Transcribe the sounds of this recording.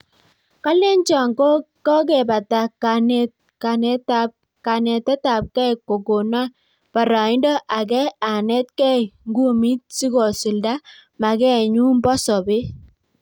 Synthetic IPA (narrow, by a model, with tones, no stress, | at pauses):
ka˦le˦nt͡ʃɔ˨ŋko˦ | kɔ˦ɡ̬ɛ˨ba˨ta˨ka˨nɛ˦t̚ | ka˨nɛ˦ta˨p̚ | ka˨nɛ˨tɛ˦ta˨p̚kɛ˦˨ko˨ɡo˨na˦ | pa˨ɾa˨ɪ˦ndɔ˦ʔa˨ɡɛ˦a˨nɛ˦t̚kɛ˦˨ŋɡu˦˨mi˦t̚si˦ɡɔ˨si˨lda˦ma˨ɡɛ˦˨ɲu˦m˦bɔ˦sɔ˨be˦